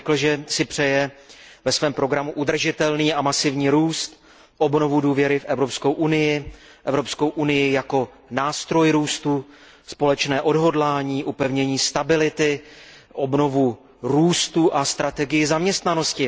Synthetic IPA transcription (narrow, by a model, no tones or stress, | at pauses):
kl̩ʒɛsɪpr̝̥ɛjɛvɛsvɛːmpɾo̞ɡɾamuʔud̪r̩ʒɪt̪ɛlniːʔamasɪvɲiːɾuːst̪ | ʔo̞bno̞vuduːvjɛɾɪfʔɛvɾo̞pskowʔunɪjɪ | ʔɛvɾo̞pskowʔunɪjɪjako̞ | naːst̪ɾo̞jɾuːst̪u | spo̞lɛt͡ʃnɛːʔo̞dɦo̞dlaːɲiːʔupɛvɲɛɲiːst̪abɪlɪt̪ɪ | ʔo̞bno̞vu | ɾuːst̪uʔast̪ɾat̪ɛɡɪjɪzamɲɛst̪nano̞scɪ